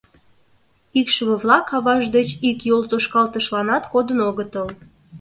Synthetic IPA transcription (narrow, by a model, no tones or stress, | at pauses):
ikʃəβəβlɑkɑβɑʒd̪et͡ɕikjolt̪oʃkɑlt̪əʃlɑnɑt̪kod̪ənoɣət̪əl